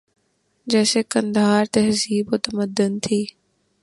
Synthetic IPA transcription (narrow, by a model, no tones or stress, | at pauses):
d͡ʒɛːseːkənd̪aːɾt̪eɦəziːboːt̪əməd̪ənt̪ʰiː